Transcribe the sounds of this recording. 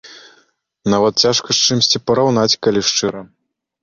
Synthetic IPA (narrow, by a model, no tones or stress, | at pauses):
navɐt̪̚t͡sʲaʂkɐʂt͡ʂɨmsʲt͡sʲipɐɾawn̪at͡sʲkalʲiʂt͡ʂɨɾɐ